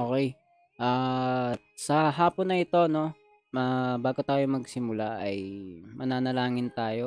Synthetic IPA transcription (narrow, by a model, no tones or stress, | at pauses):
ʔoːkɛj | ʔaː | sɐɦaːponːɐɪt̪o̞no̞ | abaːɡot̪aːjomɐɡsɪmʊlaʔɐ̰jmɐnaːnɐlaːŋɪnt̪aːjo̞